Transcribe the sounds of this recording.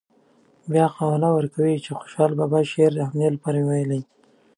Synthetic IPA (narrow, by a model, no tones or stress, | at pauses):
bjɑqɑwlawəɾkawit͡ʃexo̥ʃɑlbɑbɑʃeɾd̪əhamnelapɑɾamewajlaj